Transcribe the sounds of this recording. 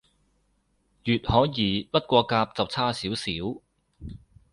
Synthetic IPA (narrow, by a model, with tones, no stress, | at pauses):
jyː˨t̚hɔː˨˥jiː˨˥pɐ˥t̚kʷɔː˧kaː˧p̚t͡sɐ˨˩wt͡sʰaː˥siː˨˥wsiː˨˥w